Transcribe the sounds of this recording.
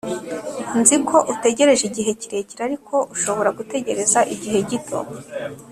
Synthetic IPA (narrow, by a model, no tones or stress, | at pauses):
nzikʰo̞ʔute̞ɟe̞ɾe̞ʒiɟiɦe̞ciɾe̞ciɾaɾikʰo̞ʔuʃo̞βo̞ɾaɡute̞ɟe̞ɾe̞zaʔiɟiɦe̞ɟitʰo̞̰